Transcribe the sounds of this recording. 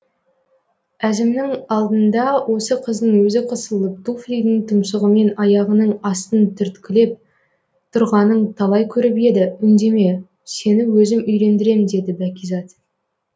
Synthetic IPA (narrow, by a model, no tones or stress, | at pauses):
æzɪmnɪŋɑlˠd̪ənd̪ɑwʔo̞səqʰəzd̪əɴwɵzɪqʰəsəlˠəp̚t̪ufɾʲijd̪ɪŋt̪ʰʊmʃəʁəme̞nɑjɑʁənəɴɑst̪ənt̪ʰʏɾt̪kʲɪle̞p̚ | t̪ʰʊɾʁɑnəɴt̪ʰɑlˠɑjkʲʰɵɾɪpe̞d̪ɪʏnd̪e̞me̞ | se̞nɪwɵzɪmʏjɾe̞nd̪ɪɾe̞mɪnd̪e̞d̪ɪbækʲizɑt̪